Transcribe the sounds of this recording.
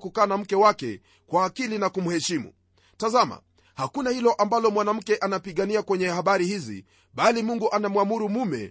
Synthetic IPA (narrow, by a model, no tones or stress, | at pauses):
kukaːnam̩kɛwakɛ̰ | kwaːkilinakumuhɛʃimṵ | tazama̰ | hakunahilɔʔambalɔmwanam̩kɛʔanapiɠaniakwɛɲɛhaɓaɾihizḭ | ɓalimuŋɡuʔanamwamuɾumumɛ̰